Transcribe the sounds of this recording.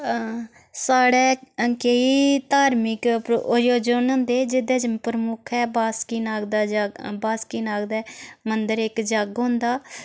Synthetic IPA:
saːɽɛːkəiːt̪aːɾmɪkjoːd͡ʒonõːnd̪eːd͡ʒɪd̪ɛːd͡ʒpəɾəmʊkʰɛːbaːskiːnaːɡd̪aːbaːskiːnaːɡd̪ɛːmənd̪əɾɪkd͡ʒaɡɦõnd̪aː

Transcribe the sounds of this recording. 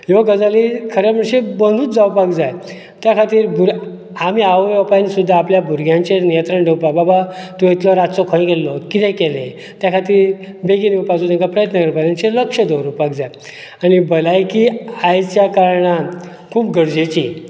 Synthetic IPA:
jɔɡəd͡zalikʰəɾam̤əɽɕẽbənd̪uːt͡sd͡zaupak̚d͡zaj | t̪jakʰat̪iːɾbʱuɾ | amiaʋjɔpanisud̪ʱːaːpljabʱuɾɡʱjãɲt͡ɕenijənt̪ɾəɳɖʱewpababat̪ɔjet̪lɔɾat͡sɔkʰɔ̃ɡelːɔkit̪ɛ̃kelẽ | t̪jakʰat̪iːɾ | beɡinewpad͡zut̪eŋkapɾəjət̪nəɡəɾpanãnt͡ɕeləkʂəd̪ʱowɾupakd͡zaj | anibəlajkiajt͡ɕjakaɾɳa | kʰuːpɡəɽd͡ʑet͡ɕi

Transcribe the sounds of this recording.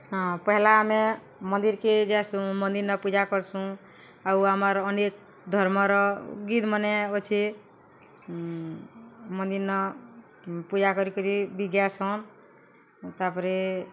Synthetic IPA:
ɦɔ̃pəɦlame | mənd̪iɾked͡ʒɛsũmə̃nd̪iɾnəpud͡ʒakɔɾsũ | auaməɾənek̚ | d̪ʱɔɾmɔɾɔɡid̪məneot͡ʃʰi | mə̃nd̪iɾnɔ | pud͡ʒakɔɾikɔɾibiɡjasɔn | t̪apɾe

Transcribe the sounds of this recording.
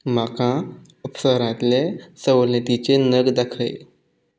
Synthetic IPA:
m̤akã | upsəɾãt̪lesəʋlət̪it͡senəɡd̪akʰə̰j

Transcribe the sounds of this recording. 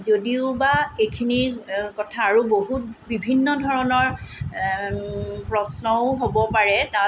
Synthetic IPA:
zodiʊbaejkʰinikɔtʰaːɹuboɦut̚bibʱinːɔdʱɔɹɔnɔɹ | pɹɔsnɔʊɦobɔpaɹɛta

